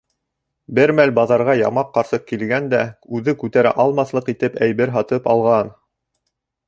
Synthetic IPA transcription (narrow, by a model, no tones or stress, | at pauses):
bɘɾmælbɑðɑɾʁɑjɑ̰mɑqːɑɾsɤq̚kilɡænd̪æʉðɘkʉt̪æɾæ̰ʔɑlˠmɑθlˠɤqit̪ɘpæjβɘɾɦɑt̪ɤpɑlˠʁɑn